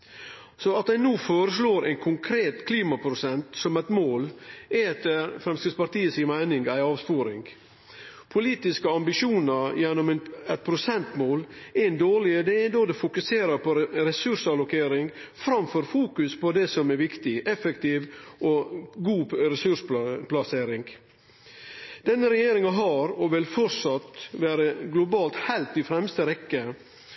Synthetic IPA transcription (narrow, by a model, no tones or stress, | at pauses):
sɔɑt̪d̪æɪnuːfoːɾəsloːɾʔæ̰ɪnkʰʊŋkʰɾeːt̪kʰliːmɑpʰɾʊsɛnt̪sɔmɛɪt̪moːlɛt̪əɾfɾɛmst̪əspɑɾʈ̪iːəsimæɪnɪŋɡæɪɑːʋspuːɾɪ̰ŋɡ | pʰʊliːt̪ɪskəɑmbɪʃuːnɑɾjɛnːɔmɛnɛt̪̚pʰɾʊsɛnt̪moːlɛnd̪oːɭɪəd̪ɛɛd̪oːd̪ɛfʊkʉseːɾəɾpʰɔɾɛsʉʂɑlʊkʰeːɾɪŋɡfɾɑmfɔɾfuːkʉspɔd̪ɛsɔmɛɾʋɪkt̪ɪʔɛfɛkt̪iːʋʔɔɡuːɾɛsʉʂplɑseːɾɪŋɡ | d̪ɛnːəɾɛjeːɾɪŋɑɦɑɾɔʋɪlfɔɾsɑt̪ʋæːɾəɡlʊbɑːlt̪hæɪlt̪ːɪfɾɛmst̪əɾɛkːə